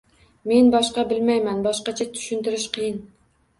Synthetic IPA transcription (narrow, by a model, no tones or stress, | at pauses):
me̞nbɒʃqɑbɪlmajmanbɒʃqɑt͡ʃʰat̪ʰʊ̥ʃɪnt̪ɪɾɪʃqʰɨjɪn